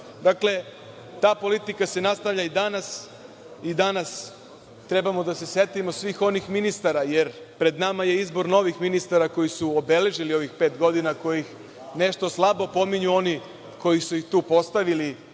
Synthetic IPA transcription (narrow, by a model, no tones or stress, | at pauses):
d̪akle̞ | t̪aːpo̞lit̪ikase̞nast̪aʋʎʲaid̪anas | id̪anas | t̪ɾe̞bamo̞d̪ase̞sje̞t̪imo̞sʋiːxo̞nixminist̪aɾajeɾ | pɾe̞d̪namaje̞izbo̞ɾno̞ʋixminist̪aɾako̞jisuobe̞le̞ʒilio̞ʋixpe̞ːt̪ɡo̞d̪inako̞jix | ne̞ʃt̪o̞slˠabo̞po̞miɲuo̞ni | ko̞jisujixt̪uːpo̞st̪aʋili